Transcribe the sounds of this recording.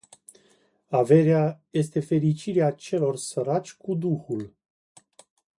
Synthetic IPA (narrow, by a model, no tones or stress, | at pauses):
ave̞ɾeaje̞st̪e̞fe̞ɾit͡ʃiɾeat͡ʃe̞lo̞rsəɾat͡ʃʲkud̪uxul